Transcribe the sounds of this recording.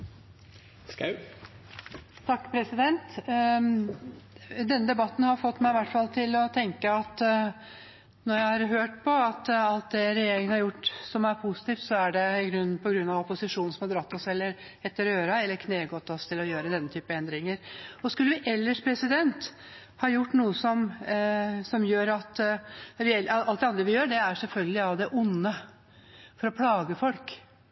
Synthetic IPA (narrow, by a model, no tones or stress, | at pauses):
skʉ | t̪ʰɑkːpʰɾɛsɪd̪ɛnt̪ | d̪ɛnːəd̪ɛbɑt̪ːn̩hɑɾfɔt̪ːmæɪɪʋæʈːfɑlt̪ʰɪlɔt̪ʰɛŋkəɑt̪ | nɔɾjæɪhɑɾɦøːʈpʰɔɑt̪ɑlt̪̚d̪ɛɾɛjeːɾɪŋənhɑɾjʊʈːsɔmæɾpʰʊsɪt̪iːft̪sɔæɖɛɪɡɾʉnːpʰɔɡɾʉnːɑʋɔpʊsɪʂuːn̩sɔmhɑd̪ɾɑt̪ːɔsɛlːəɾ | ɛt̪ːəɾøːɾɑɛlːəɾkʰneːɡɔt̪ːɔst̪ʰɪlɔjøːɾəd̪ɛnːət̪ʰyːpəɛnd̪ɾɪŋəɾɔskʉlːəʋɪʔɛlːəʂpʰɾɛsɪd̪ɛnt̪ | hɑːjʊʈːnuːəsɔm | sɔmjøːɾɑt̪ɾɪɛlɑlt̪d̪ɛɑnd̪ɾəʋɪjøːɖɛæɾʂɛlfœlɡəlɪɑʋd̪ɛʔʊnːə | fɔɾɔpʰlɑːɡəfɔlk